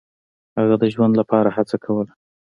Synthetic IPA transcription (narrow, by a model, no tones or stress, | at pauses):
haɣad̪əʒwand̪lapɑɾahat͡sakʰawəla